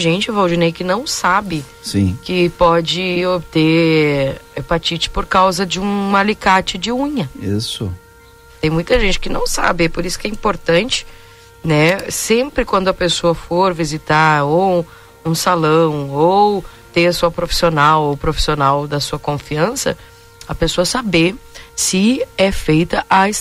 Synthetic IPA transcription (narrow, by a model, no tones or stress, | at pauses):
ʒẽnt͡ʃɪvawd͡ʒinejkɪnɐ̃w̃sabɪ | sĩkɪpɔd͡ʒɪobt̪e | ɛpat͡ʃit͡ʃɪ̥poɾkawzɐd͡ʒɪũalikat͡ʃɪd͡ʒɪũɲɐisʊ̰ | t̪ẽj̃mũj̃t̪ɐʒẽnt͡ʃɪ̥kɪnɐ̃w̃sa̰bɪɛpoɾisʊ̥kɛĩmpoɾt̪ɐ̃nt͡ʃɪ̥ | nɛsẽmpɾɪkwɐ̃nd̪ʊɐpesoɐfoɾvizit̪aɾow | ũsalɐ̃w̃ow | t̪ẽɐsuɐpɾofi̥sionawowpɾofi̥sionawd̪ɐsuɐkõfiɐ̃sɐ̰ | ɐpesoɐsabesɪɛfejt̪ɐʔa